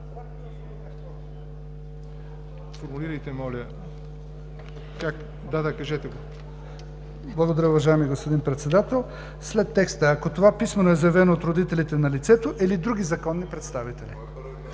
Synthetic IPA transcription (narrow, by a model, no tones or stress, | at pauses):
foɾmuliɾɐjt̪ɛmɔlʲə | kak | d̪ad̪akɐʒɛt̪ɛɡo | blˠɐɡod̪ɐɾaʊvɐʒajɛmiɡospod̪inpɾɛt̪sɛd̪at̪ɛlˠ | slɛt̪ːɛkst̪əːkot̪ovapismɛnoɛzɐjɛvɛnoːt̪ɾod̪it̪ɛlit̪ɛnɐlit̪sɛt̪oʔilid̪ɾuɡʲizɐkɔnːipɾɛt̪st̪avit̪ɛli